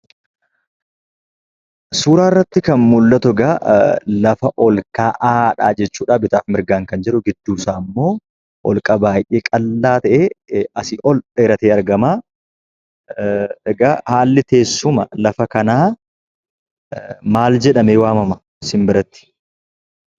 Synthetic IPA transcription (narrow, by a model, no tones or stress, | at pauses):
suːɾaːɪrːɐt̪ːɪkɐnmʊlːɐt̪ʊɡɐlɐfɐʔɔlkaːʔaːᶑa̰ːd͡ʒɛt͡ʃːuːᶑaːbɪt̪aːfmɪɾɡaːŋkɐnd͡ʒɛᶑʊɡɪd̪ːuːsaːmːo̞ː | ʔɔlkʼɐbaːjʔeːkʼɐlːaːt̪ɐʔeːɐsɪʔɔleːɾɐt̪eːɐɾɡɐmaː | ɛɡɐhaːlːɪt̪e̞ːsːʊmɐlɐfɐkɐnaː | maːld͡ʒɛᶑɐmewaːmɐmɐ | sɪmbɪɾɐt̪ːɪ̥